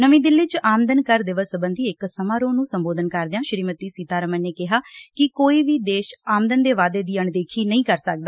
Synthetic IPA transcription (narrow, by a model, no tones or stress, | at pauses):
nəʋĩːd̪ɪlːɪt͡ʃaːmd̪ənkəɾd̪ɪʋəsəbənd̪iːɪksəmãːɾoːnũːsəmboːd̪ənkəɾd̪ɪjãːʃɾiːmət̪iːsiːt̪aːɾəmənːeːkɪɦaːkɪkoːiːʋiːd̪eːʃaːmd̪ənd̪eːʋaːd̪eːd̪iːəɳd̪eːkʰiːnəĩːkəɾsək̚d̪aː